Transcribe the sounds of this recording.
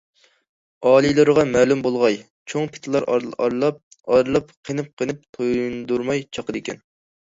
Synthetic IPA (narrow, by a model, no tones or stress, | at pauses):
ɑːlˠijlˠɨɾɨʁɑmæːlumbolˠʁɑj | t͡ʃʰoŋpʰɪ̥t̪ʰɨlˠɑɾɾlˠɑp̚ | ɑɾlˠɑpqʰənɨp̚qʰənɨp̚t̪ʰojnd̪uɾmɑjt͡ʃʰɑqəd̪ɪkʲɛ̰n